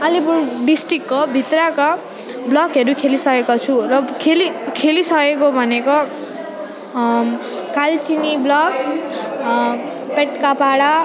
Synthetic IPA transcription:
ʌlipuɖisʈrikːobʱit̪raka | blʌkɦeɾukʰelisʌkekot͡sʰurʌkʰelikʰelisʌkekobʱʌneko | kalt͡siniblʌk̚ | peʈkapaɽa

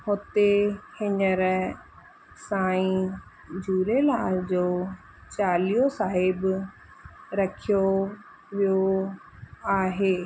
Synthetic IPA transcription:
hot̪ehɪɲəɾ | saːĩ | d͡ʑuːɾelaːld͡ʑoː | t͡ɕaːlijosaːɦɪb | ɾɐkʰijo | ʋijo | aːɦeː

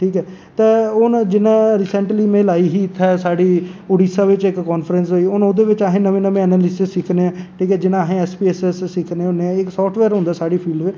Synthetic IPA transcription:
ʈʰiːkɛː | t̪eːʊnd͡ʒɪnãːɾiːsɛ̃ɳʈliːmẽːlaːiːɦiːɪt̪ʰːaːsaːɖiːoːɖiːsaːʋɪt͡ʃɪkːɔːnpʰəɾəns̬ɦoːiːʊnoːd̪eːʋɪt͡ʃaːɦẽːnəmẽːnəmẽːɛːnəlɪsɪssɪkʰneːãːʈʰiːkɛːd͡ʒɪnãːɦẽːɛːspiːɛːsɛsːɪkʰnẽːʊnːeːãɪksɔːfʈʰʋɛːɾoʊ̃nd̪aːsaːɽiːpʰiːlɖʋɪ

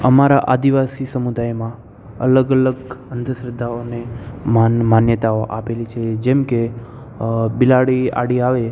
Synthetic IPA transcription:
əmaɾaʔad̪iʋasisəmud̪ajmã | ə̰ləɡələɡənd̪ʱəʃɾəd̪ʱːaoneamanjət̪aoʔapelit͡ʃʰed͡ʒɛmke | bilaɽia̰ɽiaʋe

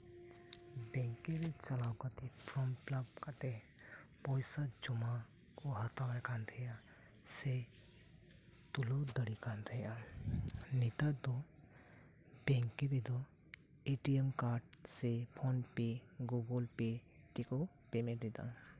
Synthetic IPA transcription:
bɛ̃ŋkeɾet͡ʃɐlawkat̪epʰɾɔmplabkat̪e | pɔjsad͡ʒumakɔɦat̪awakand̪ʰʱɛja | se | t̪ulod̪əɽikand̪ʰʱeja | nit̪ad̪ɔ | bɛ̃ŋkebid̪ɔ | eʈiemkaɖsepʰɔnpeɡoɡɔlpeʈikɔ | pemed̪ed̪a̰

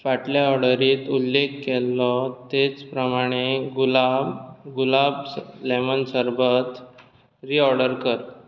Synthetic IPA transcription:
faʈljaɔɾɽəɾiːt̪ulːekːelːɔt̪et͡spɾəmaɽ̃eɡuaɡulablemənsəɾbət̪ | ɾiːɔɾɽəɾkəɾ

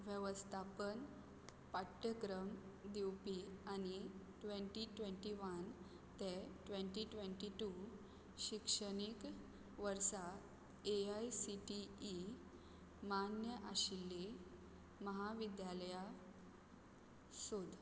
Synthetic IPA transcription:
ʋjəʋəst̪ʰapən | paʈːjəkɾəmd̪iwpiañiʈʋẽɳʈiʈʋẽɳʈiʋən | t̪eʈʋeɳʈiʈʋeɳʈiʈu | ɕikʂəɽik | ʋəɾsa | eajsiʈiː | manjəʔaɕilːe | məɦaʋid̪jaləja | sod̪ʱ

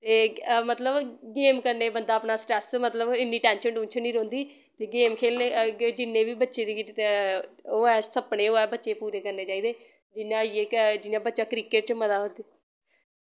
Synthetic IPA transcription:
t̪eːmət̪ləbɡeːmkəɾneːbənd̪aːəpnaːsʈɾɛːsmət̪ləbɪnːiːʈɛ̃ːnʃəɳɖũːnt͡ʃʰəniːɾõːnd̪iː | t̪eːɡeːmkʰeːlned͡ʒɪnːẽːbiːbətːʃeːd̪iː | oːɛːsəpɳeːoːɛːbətːʃeːpuːɾeːkəɾneːt͡ʃaːiːd̪eː | d͡ʒɪnːãːeːkd͡ʒɪnãːbətːʃaːkɾiːkeʈ̚t͡ʃməd̪aːɦond̪iː

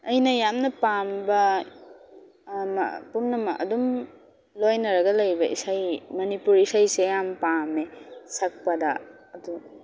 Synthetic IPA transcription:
ɐjnɐjamnɐpambɐ | m̰pumnɐmɐɐ̰dum | lojnɐɾɐɡɐlɐjbɐʔḭsajmɐnipuɾisajsejampamesak̚pɐdɐː | du

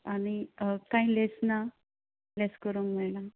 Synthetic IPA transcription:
añikãĩlesna | leskəɾuːŋkmɛɭnã

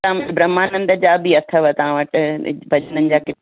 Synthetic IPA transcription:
bɾɐmaːnə̃nd̪əd͡ʑaːbiɐt̪ʰəʋət̪ɐʋ̤ãʋəʈɪbʱɐʄənənɪ̆d͡ʑaːkɪ

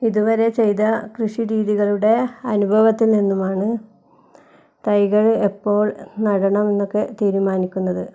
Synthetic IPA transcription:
iðuʋɐɾe̞t͡ɕe̞jt̪ɐkrɨʂiɾiːðiɣɐɭuɽe̞ɐnubʱɐʋɐt̪ːilninːumaːɳɨ | t̪ɐjɣɐɭepːo̞ːɭnɐɽɐɳɐme̞nːo̞kːe̞t̪iːɾumaːnikʲːunːɐðɨ

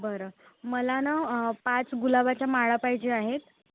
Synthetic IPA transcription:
bəɾəməlanapat͡sɡulabat͡ɕjamaɭapajd͡ʑeaɦet̪

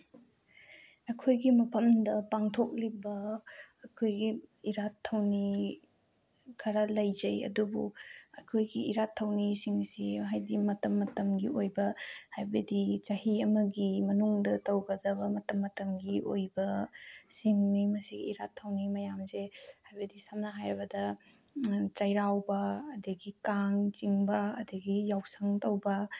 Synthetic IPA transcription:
ɐkʰojɡimɐpʰɐmdɐpaŋtʰok̚libɐː | kʰojɡiːɾatʰːɐwni | kʰaɾalɐjzɐjɐ̰dubṵɐkʰojɡiḭɾatʰːɐwnisiŋsiɦajdimɐtɐmːɐtɐmɡiojbɐhajbɐdit͡ʃahiɐmɐɡimɐnuŋdɐtɐwɡɐdɐbɐmɐtɐmːɐtɐmɡiʔojbɐsiŋnimɐsiɡiiɾatʰːɐwnimɐjamzehajbɐdisamnɐɦajɾɐbɐdɐ | t͡ʃɐjɾawbɐːdɐɡikaŋt͡ʃiŋbɐɐdɐɡijawsaŋtɐwbɐ

